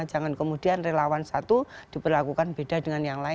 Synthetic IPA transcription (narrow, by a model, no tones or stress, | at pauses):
d͡ʒa̤ŋankəmud̥ianrelawansat̪ud̥i̤pərlakukanb̥ed̥adəŋanjaŋlaɪ